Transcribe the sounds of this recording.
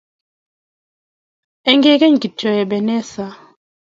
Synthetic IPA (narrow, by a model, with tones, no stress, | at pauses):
ɛ˦ŋɡɛ˦kɛ˦ŋ˨ɡi˨tɔ˨jɛ˨bɛ˨nɛ˦sa˨